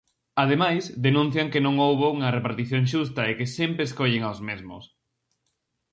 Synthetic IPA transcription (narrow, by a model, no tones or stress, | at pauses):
að̞emajzd̪enũn̟θjɐŋkenõŋowβouŋɐrepaɾt̪iθjoŋʃ̬ust̪ɐekesempɾeskoʎeŋawzmezmʊ̰s